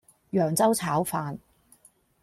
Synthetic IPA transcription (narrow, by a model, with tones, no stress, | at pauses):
jœː˨˩ŋt͡sɐ˥wt͡sʰaː˨˥wfaː˧n